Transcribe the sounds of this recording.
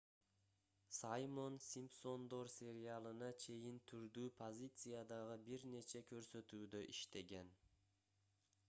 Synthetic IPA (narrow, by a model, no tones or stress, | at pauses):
sajmo̞nsʲimpso̞nd̪o̞ɾsʲe̞ɾɪalˠɯnɑt͡ʃʰe̞jint̪ʰyɾd̪yːpʰozʲit̪sɨjad̪ɑʁɯbiɾne̞t͡ʃe̞kø̞ɾsø̞t̪yːd̪øʔiʃt̪e̞ɡe̞n